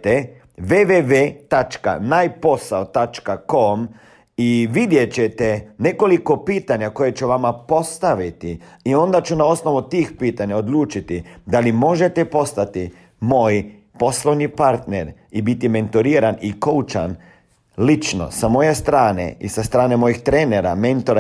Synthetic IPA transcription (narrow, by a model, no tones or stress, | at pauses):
t̪e | ʋeʋeʋeːt̪at͡ʃka̰najpo̞saot̪at͡ʃkakom | iʋid̪je̞t͡ɕet̪ene̞ko̞liko̞piːt̪aɲako̞jet͡ʃuʋamapo̞st̪aʋit̪iio̞nd̪at͡ʃunao̞sno̞ʋut̪iːxpiːt̪aɲaod̪luːt͡ʃit̪id̪alimo̞ʒe̞t̪epo̞st̪at̪i | mo̞ːj | po̞slˠoʋɲipaɾt̪neɾ | ibit̪ime̞nt̪oɾiːɾanikout͡ʃa̰n | lit͡ʃno̞̰samo̞jest̪ɾaːnḛḭsast̪ɾaːnemo̞jixt̪ɾeːneɾa̰me̞nt̪oɾa